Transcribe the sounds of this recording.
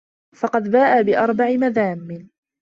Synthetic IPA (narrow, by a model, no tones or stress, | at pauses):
fɑqɑd̪baːʔabɪʔɑɾˤbaʕɪmaðaːmːɪn